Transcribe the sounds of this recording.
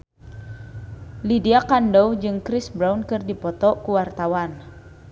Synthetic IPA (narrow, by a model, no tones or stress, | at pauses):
lidiakandɔwd͡ʒɨŋkɾɪsbɾawnkɨrdipɔt̪ɔkuwart̪awan